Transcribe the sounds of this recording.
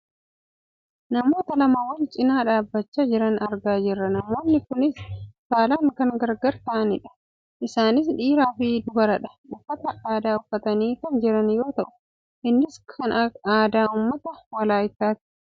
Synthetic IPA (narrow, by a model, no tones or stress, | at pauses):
nɐmo̞ːt̪ɐlɐmawɐnt͡ʃʼɪnaːᶑaːbːɐt͡ʃːad͡ʒɪɾɐnɐɾɡaːd͡ʒɪrːɐnɐmo̞ːnːɪkʊnɪskaːlaːŋkɐŋɡɐɾɡɐɾt̪ɐʔɐnɪᶑɐ̥ | ʔɪsaːnɪs̬ᶑiːɾaːfɪd̪ʊbɐɾɐᶑɐ̥ | ʊfːɐt̪ɐʔaːd̪aːʊfːɐt̪ɐniːkɐnd͡ʒɪɾɐnjo̞ːt̪ɐʔʊ̥ | ʔɪnːɪskʰɐnaːd̪aːʊmːɐt̪ɐwɐlaːjɪt̪ːaːt̪ɪ̥